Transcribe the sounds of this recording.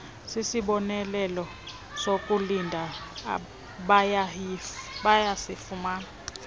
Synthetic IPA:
sisiɓɔnɛlɛlɔ | sokʼulindʱa | ɓa | ɓajasifumaːna

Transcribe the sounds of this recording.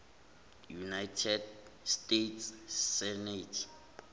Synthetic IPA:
junajtʰɛdstetʰsːɛnɛtʰ

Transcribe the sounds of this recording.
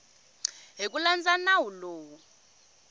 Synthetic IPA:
ɦik̬ʼuland͡zanawuloːwu

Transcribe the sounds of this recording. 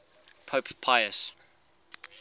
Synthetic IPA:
pʰoːppʰaɪəs

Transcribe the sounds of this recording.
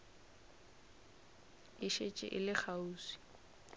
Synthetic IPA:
ɪʃet͡ʃʼɪ̰ʔɪlɪk͡xʰauːsi̥

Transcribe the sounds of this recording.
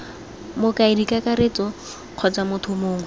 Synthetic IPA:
mʊkaɪdikʼakaɾet͡sʼɔ | q͡χʰɔt͡samʊtʰʊmoːŋwɛ

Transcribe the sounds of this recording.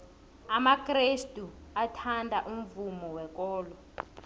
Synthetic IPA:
amakʼristʼuatʰandʱaʔum̩vumɔwɛkɔːlɔ

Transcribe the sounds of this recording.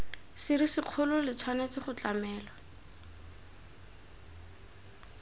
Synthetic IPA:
sɪrisɪq͡χʰʊlʊlɪt͡sʰwanet͡sɪχʊt͡ɬamɛːla

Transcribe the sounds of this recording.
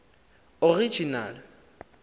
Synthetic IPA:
ori̥d͡ʒʱinaːlɪ

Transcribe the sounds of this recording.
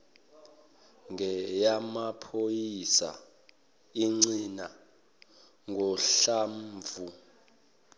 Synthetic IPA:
ŋʱɛjamapʰojisa̰ | iŋ͡ǀina | ŋɡʱɔɬamːvu

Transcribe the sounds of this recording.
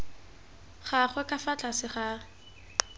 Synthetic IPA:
χaχwɛkʼafat͡ɬʼasɪχa

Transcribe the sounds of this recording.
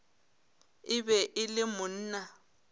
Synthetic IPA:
ɪbɛʔɪlɪmʊn̩ːna

